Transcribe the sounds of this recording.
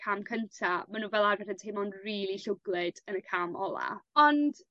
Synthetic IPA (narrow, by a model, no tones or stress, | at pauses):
kʰaːmkʰəntʰamanuːvɛlˠarvɛdəntʰejmɔnriːlˠiɬʊɡlˠɪd̥ənəkʰaːmɔ̰lˠa̰ɔnd̥